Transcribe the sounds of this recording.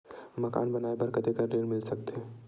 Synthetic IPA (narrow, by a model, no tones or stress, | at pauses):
məka̰nbənaepəɾkət̪ekəɖiɾmilsək̚t̪ʰe